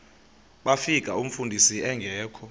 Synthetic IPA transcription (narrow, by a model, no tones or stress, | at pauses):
ɓafik̬ʼaum̩fundʱisiɛŋɡʱɛːkʰɔ